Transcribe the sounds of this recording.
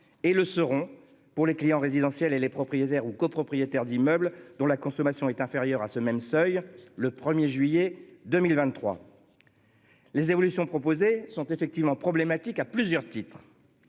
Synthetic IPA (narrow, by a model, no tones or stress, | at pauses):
eləsəʁɔ̃ | puʁleklijɑ̃ʁezid̪ɑ̃sjɛlelepχɔpχijet̪ɛʁukopχɔpχijet̪ɛʁd̪imœbld̪ɔ̃lakɔ̃sɔmasjɔ̃ɛt̪ɛ̃feʁjœʁasəmɛmsœjləpχəmjeʒɥijed̪əmilvɛ̃t̪ːχwa̰ | lezevɔlysjɔ̃pχɔpozesɔ̃t̪efɛk̚t̪ivmɑ̃pχɔblemat̪ikaplyzjœʁt̪it̪χ